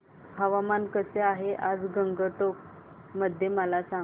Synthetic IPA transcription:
həʋamankəseaɦeʔad͡zɡəŋɡəʈ̪ok̚ | məd̪ʱːjeməlasã

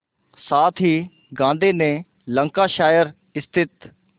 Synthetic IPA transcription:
saːt̪ʰɦiː | ɡãːnd̪eːnẽː | lə̃ŋkaːʃaːjəɾ | ɪst̪ʰɪt̪

